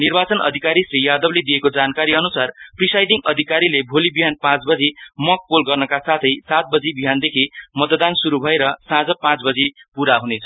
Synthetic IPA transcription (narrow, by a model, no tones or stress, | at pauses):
nirbat͡sʌnʔʌ̰d̪ʱikaɾisrɾijad̪ʌbled̪ijekod͡zankaɾiʌnusarprisajɖiŋʌd̪ʱikaɾilebʱolibiɦanpãt͡sbʌd͡zimʌk̚polɡʌrnʌkasat̪ʰʌjsat̪̚bʌd͡zibiɦand̪ekʰimʌt̪d̪ansuɾubʱʌeɾʌsãd͡zʌpãt͡sbʌd͡zipuɾaɦunet͡sʰʌ